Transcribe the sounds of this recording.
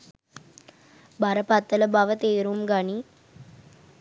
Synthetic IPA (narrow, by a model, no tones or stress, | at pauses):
bɐɾəpɐt̪ːələbɐʋət̪eːɾumɡɐɳi